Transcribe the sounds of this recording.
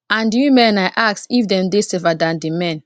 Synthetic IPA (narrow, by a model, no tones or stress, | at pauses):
ãndijũmɛ̃najʔaksifdɛ̃mdesɛvadãndimɛ̃n